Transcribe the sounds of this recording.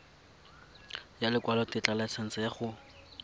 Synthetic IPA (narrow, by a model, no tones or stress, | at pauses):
jalɪkwalɔtɪt͡ɬʼalat͡sʰan̩t͡sajaχʊ